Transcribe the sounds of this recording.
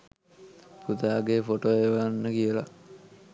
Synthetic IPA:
put̪aːɡefoʈoːeʋanːəkiəla̰

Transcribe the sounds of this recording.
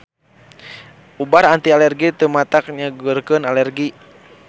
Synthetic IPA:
ubaɾant̪ialɛrɡit̪əmat̪ak̚ɲaɡurkənalɛrɡi

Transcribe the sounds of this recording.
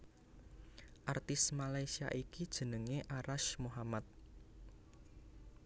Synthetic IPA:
ʔart̪ɪsmalajsia̰ʔikid̥ʒ̥ə̤nəŋeʔaɾaʃmoɦamat̪̚

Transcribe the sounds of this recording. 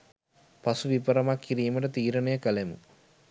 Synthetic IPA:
pasuʋipəɾɐmakːiɾijməʈət̪iːɾənejəkəlemṵ

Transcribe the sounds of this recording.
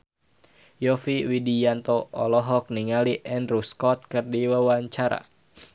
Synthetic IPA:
jɔfiwidijant̪oɔlɔɦɔk̚niŋaliʔɛnruskɔt̪̚kɨrdiwawaɲt͡ʃaɾa̰

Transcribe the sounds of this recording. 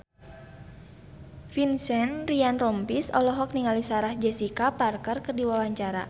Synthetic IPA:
finsɛnrianrɔmpisɔlɔɦɔk̚niŋalisaɾahd͡ʒɛsikaparkərkərdiwawaɲt͡ʃaɾa̰

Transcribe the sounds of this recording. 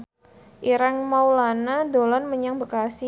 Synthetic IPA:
ʔiɾaŋmawlanadolanməɲaŋbəkasi

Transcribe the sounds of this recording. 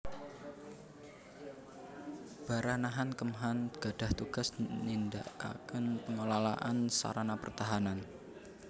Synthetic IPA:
b̥a̤ɾanaɦankəmɦanɡ̥a̤d̥a̤ht̪uɡ̥a̤snindaa̰kənpəŋolalaʔansa̰ɾanapə̰rt̪aɦanan

